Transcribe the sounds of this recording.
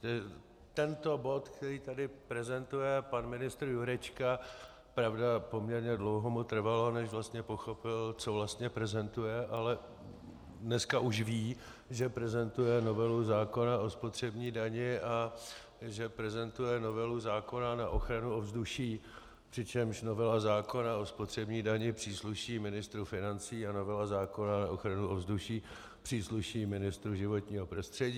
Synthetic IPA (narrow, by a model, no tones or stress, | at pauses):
ɛ | t̪ɛnt̪o̞bo̞t̪kt̪ɛɾiːt̪adɪpɾɛzɛnt̪ujɛpanmɪnɪst̪ɾ̩juɾɛt͡ʃka | pɾavdapo̞mɲɛɾɲɛdlowɦomut̪r̩valonɛʃvlast̪ɲɛpo̞xo̞pɪlt͡so̞vlast̪ɲɛpɾɛzɛnt̪ujɛʔalɛ | dnɛskaʔuʃviː | ʒɛpɾɛzɛnt̪ujɛno̞vɛluzaːko̞nao̞spot̪r̝̥ɛbɲiːdaɲɪʔa | ʒɛpɾɛzɛnt̪ujɛno̞vɛluzaːko̞nanaʔo̞xɾanuovzduʃiː | pr̥ɪt͡ʃɛmʃno̞vɛlazaːko̞nao̞spo̞t̪r̝̥ɛbɲiːdaɲɪpr̥iːsluʃiːmɪnɪst̪ɾufɪnant͡siːano̞vɛlazaːko̞nanaʔoxɾanuʔovzduʃiː | pr̥iːsluʃiːmɪnɪst̪ɾuʒɪvo̞t̪ɲiːɦo̞pɾo̞st̪r̝̥ɛɟiː